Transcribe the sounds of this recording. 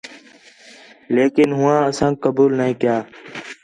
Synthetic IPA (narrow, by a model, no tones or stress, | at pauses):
leːkɪnɦʊʋãːəsãːkəbuːlnəɦĩːkɪjãː